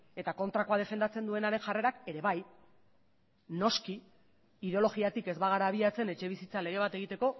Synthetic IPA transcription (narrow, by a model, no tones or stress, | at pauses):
e̞t̪ako̞nt̪ɾako̞aðe̞fe̞nd̪at͡se̞nd̪ue̞naɾe̞nʝare̞ɾake̞ɾe̞βaj | no̞ski | iðeo̞lo̞ɣiat̪ike̞zβaɣ̞aɾaːβiat͡se̞ne̞t͡ʃe̞β̞isit͡sale̞ɣ̞e̞β̞at̪e̞ɣ̞it̪e̞ko̞